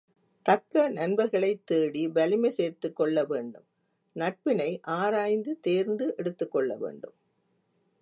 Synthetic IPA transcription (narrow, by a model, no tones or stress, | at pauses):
t̪ɐkːɐnɐnbɐɾɣɐɭɐɪt̪ːeːɽibɐlɪmɐɪseːrt̪ːɯkːɔɭːɐʋeːɳɖɯm | nɐʈ̚pɪnɐɪʔaːɾaːjnd̪ɯt̪eːɾnd̪ɯʔɛɽɯt̪ːɯkːɔɭːɐ̰ʋḛːɳɖɯm